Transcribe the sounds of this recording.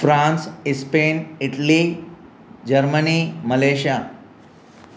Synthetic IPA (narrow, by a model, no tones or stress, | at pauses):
fɾãnsispeniʈli | d͡ʑəɾməniməleɕja